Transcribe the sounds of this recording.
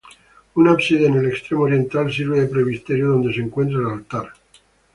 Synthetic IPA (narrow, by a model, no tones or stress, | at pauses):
unapsiðenelekst̪ɾemooɾje̞nt̪als̬iɾβeðepɾeβist̪eɾjoðo̞nd̪e̞seŋkwent̪̬ɾaelalt̪aɾ